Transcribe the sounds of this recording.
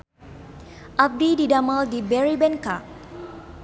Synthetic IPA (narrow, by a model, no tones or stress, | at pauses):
ʔab̚dididamaldibɛɹibɛnka